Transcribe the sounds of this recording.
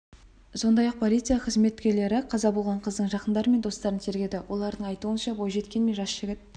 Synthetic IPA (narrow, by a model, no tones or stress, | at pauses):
so̞nd̪ɑjɑq̚pʰo̞lʲit̪sɨjɑqʰəzme̞t̪kʲe̞ɾle̞ɾɪqʰɑzɑbo̞lˠʁɑɴqʰəzd̪əɴʒɑqənd̪ɑɾəme̞nd̪o̞st̪ɑɾənt̪ʰe̞ɾɡʲe̞d̪ɪwʔo̞lˠɑɾd̪əɴɑjt̪uənʃɑbo̞jʒe̞t̪kʲe̞nme̞ʒɑsʒ̥ɪɡʲɪt̪̚